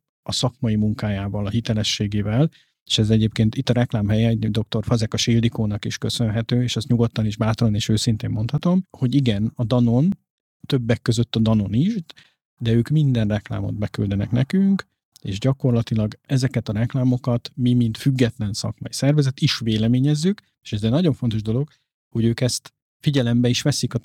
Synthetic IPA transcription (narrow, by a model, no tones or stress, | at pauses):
ɒsɒkmɒjimuŋkaːjaːvɒlɒɦit̪ɛlɛʃːeːɡeːvɛl | eːʃɛzɛɟeːp̚keːnt̪it̪ːɒɾɛklaːmɦɛjɛd̪o̞k̚t̪o̞rfɒzɛkɒʃild̪ikoːnɒkiʃkø̞sø̞nɦɛt̪øːeːʃɛsɲuɡot̪ːɒniʒbaːt̪oɾoneːʃøːsint̪eːmːo̞nt̪hɒt̪o̞mho̞ɟiɡɛnɒd̪ɒno̞n | t̪øbːɛkːøzø̞t̪ːɒd̪ɒno̞niʃ | d̪ɛøːkmind̪ɛnrɛkla̰ːmo̰d̪̚bɛky̰ld̪ɛnɛ̰knɛkyŋk | ḛːʒɟɒko̞rlɒt̪ilɒɡɛzɛkɛt̪ɒɾɛklaːmo̞kɒt̪mimint̪fyɡːɛt̪lɛnsɒ̰kmɒ̰jisɛrvɛzɛt̪iʃʋeːlɛmeːɲɛzːyk | eːʃɛzɛnɒɟo̞ɱfo̞nt̪o̞ʒd̪o̞lo̞ɡ | ho̞ɟøːkɛst̪ | fiɟɛlɛmbɛiʃʋɛsikɒ